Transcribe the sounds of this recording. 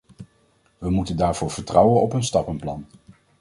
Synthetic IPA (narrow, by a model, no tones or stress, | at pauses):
ʋəmutəndaːɹv̥ʊːɹv̥əɹtrɑwənɔpɵnstɑpənplɑn